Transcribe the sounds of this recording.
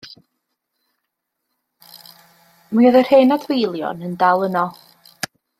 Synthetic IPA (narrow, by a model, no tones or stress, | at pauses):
miɔðər̥heːnadwejlˠjɔ̰nəndalˠənɔ